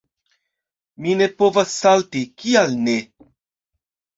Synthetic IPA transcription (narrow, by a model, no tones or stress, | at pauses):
mine̞po̞vasːaltikialne̞